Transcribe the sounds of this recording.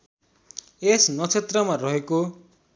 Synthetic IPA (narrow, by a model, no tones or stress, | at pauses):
esnʌt͡sʰet̪rʌmarʌɦeko